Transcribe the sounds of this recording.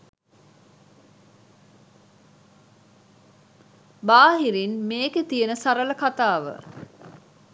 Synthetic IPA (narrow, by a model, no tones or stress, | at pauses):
baːɦiɾinmeːket̪ijenəsaɾələkat̪aːʋə̰